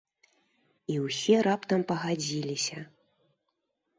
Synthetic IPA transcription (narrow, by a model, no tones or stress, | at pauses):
iwsʲɛɾapt̪ɐmpɐɣad͡zʲilʲisʲɐ